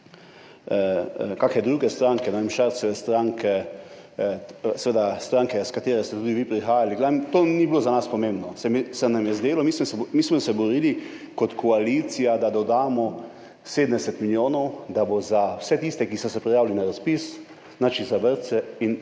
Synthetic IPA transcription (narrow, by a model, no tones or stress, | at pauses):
kaːkɛd̪ɾuːɡɛst̪ɾaːŋkɛnɛʋemʃaɾsɛʋɛst̪ɾaːŋkʰɛ | sɛʋeːd̪ast̪ɾãŋkɛskat̪eːɾɛst̪ɛt̪uːd̪iʋipɾixaːjaliɡlɛːmt̪oːnibilozanaspɔmẽmbnɔsɛmsɛnamjɛzd̪eːlɔmismɔɛmiːsmɔsɛbɔɾiːli | kɔt̪kʰɔaliːt̪sijad̪ad̪ɔd̪aːmɔ | sed̪ənd̪ɛsɛt̪miljoːnɔwd̪abozawsɛt̪iːst̪ɛkisɔsɛpɾijaːwlinaɾaspis | nat͡ʃizabəɾt̪sɛin